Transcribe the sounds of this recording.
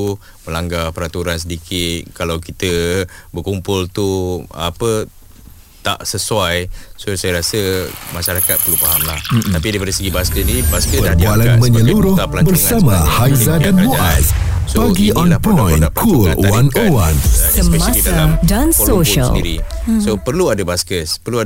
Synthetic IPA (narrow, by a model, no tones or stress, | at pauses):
u | məlaŋɡapəɾat̪uɾans̬ədikʰɪt̪̚kalawkit̪əbəkumpʊlt̪uapə | t̪a̰ʔsəswajsosajaɾasəmaʃaɾakat̪̚pərlupaɦamla̰hm̩t̪apidajpadasəɡibaskəsnibaskəəbualanmə̃ɲəluɾʊhlabərsamahajzadanboʔassbaɡiʔɔnpɔ̃jnkʰulwanowansəmmaadansoʃa̰liɾisopərluadabaskəspərlua